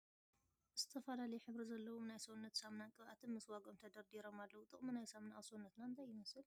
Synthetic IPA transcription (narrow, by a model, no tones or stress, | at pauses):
z̥ɨt̪ʰɐfɐlalɐjɛħɨβɾizɐlːɐwunajsounːɐt̪samnakʼɨβʔat̪ʰɨnmɨswaɡomt̪ʰɐd̪ɐɾd̪iɾomalːɐwut̪ʼɨχʼminajsamnaʔawsonːɐt̪naɨnt̪ʰajːɪmɐsɨl